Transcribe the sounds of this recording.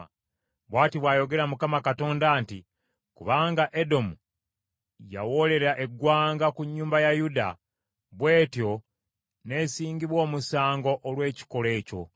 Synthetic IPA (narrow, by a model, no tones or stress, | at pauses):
βwaːtiβwaːjo̞ɡe̞ɾamukamakato̞ːndaːnti | kuβaːŋɡaʔe̞do̞mu | ja̰wo̞le̞ɾaʔe̞ɡwaːŋɡakuɲːuːmbajajuda̰ | βwe̞ːtjo̞ | ne̞siːɲɡiβwo̞ːmusaːŋɡo̞ʔːlwe̞ːci̥ko̞le̞ːco̞̰